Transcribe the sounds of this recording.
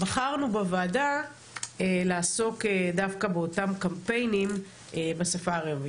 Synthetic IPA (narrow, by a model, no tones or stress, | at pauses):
baχaʁnubevaːda | elaːso̞kedafkabeo̞tamkampe̞jnim | ebasafaːʁevi